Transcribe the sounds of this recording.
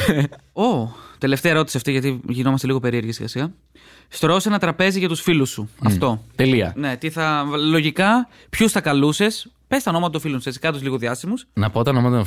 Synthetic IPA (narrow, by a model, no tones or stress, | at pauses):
o̞t̪e̞le̞ft̪eɐeɾo̞t̪isiɐft̪iʝɐt̪̬iʝino̞mɐst̪e̞liɣo̞pe̞ɾieɾʝisḭɣɐ̰siɣɐ | st̪ɾo̞se̞nɐt̪ɾɐpe̞ziʝɐt̪usfilusːuɐft̪o̞t̪eliɐ̰ne̞t̪iθɐlo̞ʝikɐ | pçusθɐkɐluse̞s | pe̞sɐonoɐt̪ɐt̪ofilonsθesi̥kɐt̪ozliɣo̞ðiɐst̪imusnɐpoot̪ɐnomɐt̪